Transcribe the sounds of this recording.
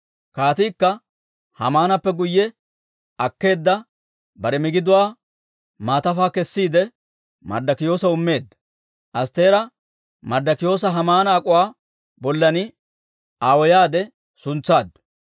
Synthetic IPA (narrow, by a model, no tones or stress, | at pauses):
kaːt̪iːkːɐ | hɐ̰maːnɐpːɛɡʊjːɛ | ɐkːe̞ːd̪ːɐ | bɐɾɛmɪɡɪd̪ʊwaː | maːt̪ɐfaːkɛsːiːd̪ɛ | mɐ̰ɾd̪ɐkɪjo̞ːsɐʊmːe̞ːd̪ːɐ̥ | ʔɐst̪e̞ːɾɐ | mɐɾd̪ɐkɪjo̞ːs̬ɐɦɐmaːnɐːkʼʊwaː | bɔlːɐnɪ | aːwɔjaːd̪ɛ | sʊnt͡sːaːd̪ːʊ̥